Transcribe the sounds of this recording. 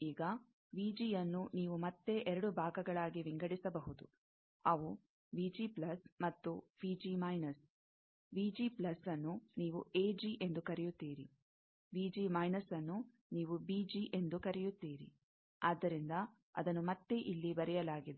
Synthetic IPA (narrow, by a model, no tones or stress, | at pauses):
iːɡɐ | ʋiːd͡ʒijɐnːuniːʋumɐt̪ːe̞ʔɛɾɐɽubʱaːɡɐɡɐɭaːɡiʋiŋɡɐɽisɐbɐɦud̪u | ɐʋu | ʋiːd͡ʒiplɐsmɐt̪ːubiːd͡ʒiːmɐjnɐs | ʋiːd͡ʒiːplɐsɐnːuniːʋuʔeːd͡ʒiːʔe̞nd̪ukɐɾɛjut̪ːiːɾi | ʋiːd͡ʒiːmɐjnɐsɐnːu | niːʋubiːd͡ʒiːʔe̞nd̪ukɐɾɛjut̪ːiːɾḭ | aːd̪ːɐɾind̪ɐ | ɐ̰d̪ɐnːumɐt̪ːe̞ʔilːibɐɾɛjɐlaːɡid̪e